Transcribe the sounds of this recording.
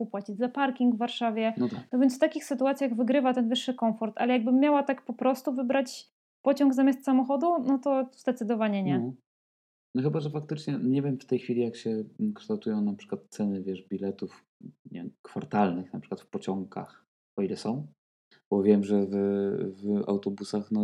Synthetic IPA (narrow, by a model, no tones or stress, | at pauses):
upwat͡ɕid͡ʑzapaɾkʲiŋɡvːaɾʂavʲjɛnɔt̪anɔvʲjɛnt̪sft̪akʲixsɘt̪uat̪sʲjaɣvɘɡɾɘvat̪ɛnvɘʂːɘkɔmfɔɾt̪ʰa̰lɛjaɡ̚bɘmːjawat̪akpɔpɾɔst̪uvɘbɾat͡ɕ | pɔt͡ɕɔ̃ŋɡzamʲjast̪samɔxɔd̪unɔt̪ɔzd̪ɛt̪sɘd̪ɔvaɲɛɲɛ | nɔxɘbaʐɛfak̚t̪ɘt͡ʂɲɛɲɛvʲjɛmft̪ɛjxfʲilʲijakɕɛkʂt̪awt̪ujɔ̃w̃napʂɘ̥kwat̪t̪sɛnɘvʲjɛʂbʲilɛt̪uf | ɲɛkfaɾt̪alnɘxnapʂɘ̥kwat̪fpɔt͡ɕɔŋka̰x | ɔilɛsɔ̃w̃ | b̥ɔvʲjɛmʐɛvva̰wt̪ɔbusaxnɔ